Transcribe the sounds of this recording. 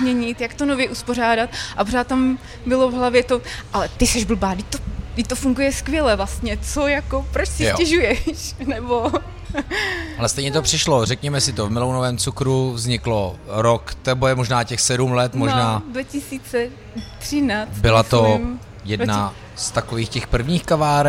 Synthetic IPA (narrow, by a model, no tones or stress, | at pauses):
zmɲɛɲɪt̪jakt̪onovjɛʔuspo̞raːdat̪̚ʔapoɾaːt̪t̪am | bɪlo̞vɦlavjɛt̪oʔalɛt̪ɪsɛʒbl̩baːdɪcʲt̪odɪcʲt̪ofuŋɡujɛskvjɛlɛvlast̪ɲɛt͡sojakopɾot͡ʃsɪɛʒujɛʃnɛbo | ʔalɛst̪ɛjɲɛt̪opr̥ɪʃlorɛkɲɛmɛsɪt̪ovmɪlonovɛːmt͡sukɾuvzɲɪkloɾokt̪ɛbojɛmoʒnaːcɛxsɛdumlɛt̪monʒnaːdvacɪsiːt͡sɛ | t̪r̥ɪnaːt͡sbɪlat̪om | jɛdna | st̪akoviːxcɛxpr̩vɲiːxkavaːɾ